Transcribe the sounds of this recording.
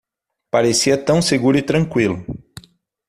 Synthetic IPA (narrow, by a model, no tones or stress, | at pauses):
paɾesiɐt̪ɐ̃w̃seɡuɾʊɪt̪ɾɐ̃ŋkwilʊ